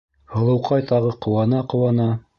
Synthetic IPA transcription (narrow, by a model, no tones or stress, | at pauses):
hɤ̆lˠɤ̆wqɑjt̪ɑʁɤqŏwɑnɑqɤ̆wɑnɑ